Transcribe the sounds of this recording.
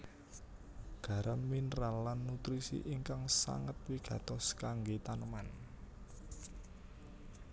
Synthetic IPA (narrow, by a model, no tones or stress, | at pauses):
ɡ̥ä̤ɾəmːinɾalːanːut̪ɾisḭʔiŋkaŋsa̰ŋət̪wiɡ̥ä̤t̪ɔskaŋɡet̪anəman